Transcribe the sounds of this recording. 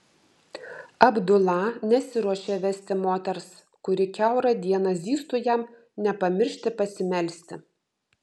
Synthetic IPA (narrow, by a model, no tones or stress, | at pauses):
ɐbd̪ʊlˠɑnʲɛsʲɪɾuɔʃʲeːʋʲɛsʲt̪ʲɪmoːt̪ʲɛɾs | kʊɾʲɪkʲɛˑʊɾɐd̪ʲiɛnɐzʲiːst̪uːjɛm | nʲɛpɐmʲɪɾʲʃʲt̪ʲɪpɐsʲɪmʲɛlʲsʲt̪ʲɪ